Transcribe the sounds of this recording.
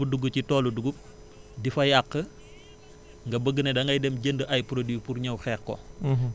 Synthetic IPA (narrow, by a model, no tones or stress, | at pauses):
uduɡucitɔːluduɡup̚ | difɐjakːə | ŋɡɐbəɡːənɛdɐŋɡɐjdɛmɟəndəʔɐjpɾodipuɾɲɐwxɛːkkɔ̰